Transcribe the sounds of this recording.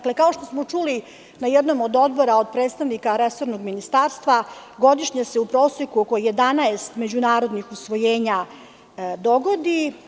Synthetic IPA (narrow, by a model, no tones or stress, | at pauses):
klekaoʃt̪o̞smot͡ʃuli | najɛd̪nomod̪o̞d̪bo̞ɾaod̪̚pɾeːt̪st̪aʋnikaɾeso̞ɾnoɡminist̪aːɾst̪ʋaɡo̞d̪iʂɲaseupɾo̞ːsokuokoje̞d̪anaest̪me̞d͡ʑunaːɾo̞d̪nixusʋo̞jeːɲa | d̪o̞ɡo̞d̪i